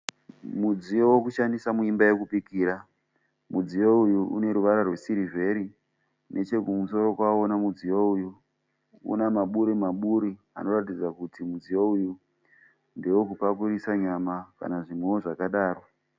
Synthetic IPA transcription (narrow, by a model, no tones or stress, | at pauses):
mud͡zijo̞wokuʃandisamuimbaje̞kupikiːɾa | mud͡zijoujuṵne̞ɾuʋaɾarwe̞siɾive̞ɾi | nʔe̞t͡ʃe̞kumuso̞ɾo̞kwaonamud͡zijouju | ṵnamaɓuɾimaɓuɾi | a̰no̞ratid͡zakutimud͡zijouju | nde̞wokupakuɾisaɲamaka̰naʐimwewoʐakaɗaːro